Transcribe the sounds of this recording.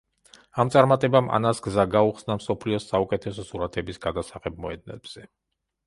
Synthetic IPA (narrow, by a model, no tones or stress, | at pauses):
amt̪sʼaɾmat̪ʼɛbama̰nasɡzaɡauχsnamsɔpʰliɔsaukʼɛt̪ʰɛsɔsuɾat̪ʰɛbisɡad̪asaχɛb̚mɔɛd̪̚nɛ̰b̥z̥ɛ